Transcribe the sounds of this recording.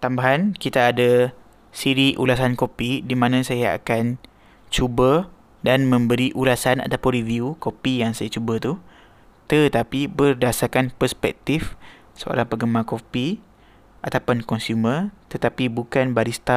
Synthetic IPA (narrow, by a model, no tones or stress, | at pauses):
t̪ambaɦankit̪aːda | siɾiʔṵlasankopidimãnãsajaa̰kan | t͡ʃubə | danmə̃mbəɾiʔulasana̰t̪apʊnɾiviukopijaŋsajat͡ʃubət̪u | t̪ət̪apibərdasarkanpərspɛ̰k̚t̪if | səo̰ɾaŋpəɡəmakopi | ʔat̪apʊnkɔnsumət̪ət̪apibukanbaɾist̪a